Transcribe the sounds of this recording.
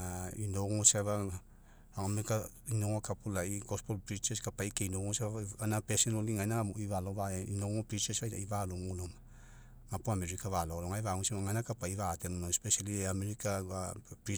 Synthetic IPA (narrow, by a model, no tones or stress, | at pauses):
ainoɡoŋoseβa | aomeka | inoŋokapulaiɡospolpɾit͡ʃeskapaikeinoŋoseβaanapesenoliŋanaoivaloβaeinoŋopɾit͡ʃesaja̰ivalomuloma | ŋapuameɾikavaloloŋajvaŋosemaŋanakapaivat̪enonoespesaliameɾikaapɾi